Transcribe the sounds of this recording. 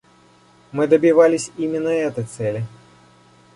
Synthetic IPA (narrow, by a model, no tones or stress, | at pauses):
mɨd̪əbʲivalʲɪsʲimʲɪnːəɛt̪əjt̪sɛlʲɪ